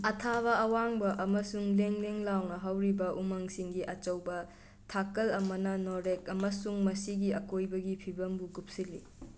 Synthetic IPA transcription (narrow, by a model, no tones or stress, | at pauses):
ɐtʰaβɐɐwaŋbɐʔɐmɐsuŋleŋleŋlawnɐɦɐwɾibɐʔumɐŋsiŋɡiʔɐt͡ʃɐwbɐ | tʰakɐlɐmɐnɐnoɾekɐmɐsuŋmɐsiɡiɐkojbɐɡipʰibɐmbuɡup̚silḭ